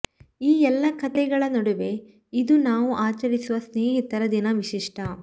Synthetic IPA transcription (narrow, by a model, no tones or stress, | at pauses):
iːɛlːɐkʰɐt̪ɛɡɐɭɐnɐɽuʋe̞ | id̪unaːʋuʔaːt͡ʃɐɾisuʋɐsneːɦit̪ɐɾɐd̪inɐʋiʃiʂʈʰɐ